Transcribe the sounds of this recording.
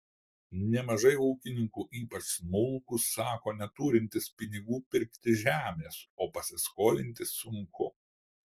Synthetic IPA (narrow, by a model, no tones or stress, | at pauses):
nʲɛmɐʒɐɪuːkʲɪnʲɪŋkuːʔiːpɐt͡ʃsmʊlˠkʊsːɑːkoːnʲɛt̪uːɾʲɪnʲt̪ʲɪspʲɪnʲɪɡuːpʲɪɾʲkt̪ʲɪʒʲæːmʲeːsoːpɐsʲɪskoːlʲɪnʲt̪ʲɪsʊŋkʰʊ